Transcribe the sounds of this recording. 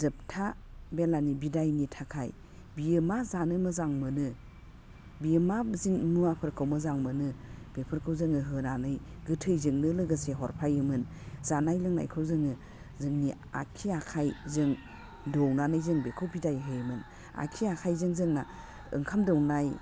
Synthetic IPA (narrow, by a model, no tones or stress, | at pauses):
zɯp̚tʰa | belanibidajnitʰakʰaj | bijɯmazanɯmɯzaŋmɯnɯ | biɯmaziŋmuapʰɯɾkʰɯwmɯzaŋmɯnɯb̥epʰɯɾkʰɯwzɯŋɯɦɯnanɯj | ɡɯtʰɯjzɯŋnɯlɯɡɯseɦɔɾpʰajɯmɯn | z̥anajlɯŋna̰jkʰɯwzɯŋɯ | zɯŋni | a̰kʰiakʰajzɯŋ | dɔwnanɯjzɯŋbekʰɯwbidajɦɯjɯmɯn | a̰kʰiakʰajzɯŋzɯŋna | ɯ̰ŋkʰamdɯwnaj